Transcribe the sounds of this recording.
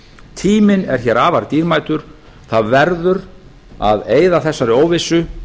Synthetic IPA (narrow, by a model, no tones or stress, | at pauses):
t̪ʰiːmɪnɛɾ̥çɛːɾaːvaɾt̪iːɾmaːjt̪ʏɾ̥ | θaðvɛɾðʏɾ | a̰ðeːjðaθɛsːaɾɪoːwvɪsːʏ